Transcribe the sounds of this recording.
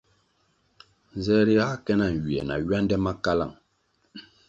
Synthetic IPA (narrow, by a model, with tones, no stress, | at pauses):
n˨zɛ˦ɾi˦a˦kɛ˦na˦˨ŋ̩˨ɥi˨ɛ˨na̰˨ɥa˦ndɛ˦ma˦ka˦la̰˨ŋ